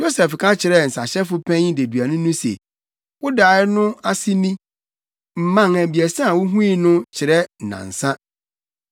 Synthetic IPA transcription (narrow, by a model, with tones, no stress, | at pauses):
jo˦sɛ˨fkʰã˦t͡ɕʰɪ˨ɾɛ˦˨n̩˨sa˨ɕɛ˦fʊ˦pʰɛ̃˦ɲ˦de˨dɥa˨nʊ̃˦nʊ̃˦sḛ˨ | wʊ˦daː˨˦ɪ˦nʊ̃˦a˦si˦mĩ˦ | m̩˨mã˦ŋæ˨bi˨ɛ˨sã˦a˨wʊ˦ɦũ˦i˦nʊ̃˦t͡ɕʰɪ˨ɾɛ˦˨nã̰˨n̩˨sã˦